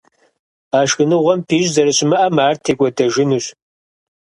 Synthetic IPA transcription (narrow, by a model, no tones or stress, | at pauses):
aːʃxɨnɨʁʷɔmpʰiːʒzɐɾɨɕɪmɐʔɐmaːrtʰeːkʷʼɔdɐʒɪnuɕ